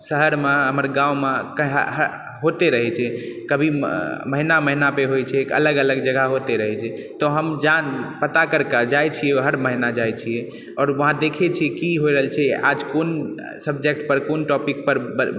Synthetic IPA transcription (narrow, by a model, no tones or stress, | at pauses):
səɦəɾmeɦəməɾɡãwmekəɦɦə | ɦot̪eɾəɦɛt͡ʃʰɛkəbʱiməɦinaməɦinapeɦojt͡ʃʰɛekə̰ləɡələɡd͡ʒəɡʱaɦot̪eɾəɦɛt͡ʃʰɛt̪ɔɦəmd͡ʒanpət̪akəɾkad͡ʒajt͡ʃʰiɛɦəɾməɦinad͡ʒajt͡ʃʰijɛ | ɔːɾʋəɦãd̪ekʰet͡ʃʰiɛkiɦojɾəɦəlt͡ʃʰɛʔa̰d͡ʒkon | səbd͡ʒek̚ʈpəɾkonʈɔpik̚pəɾbə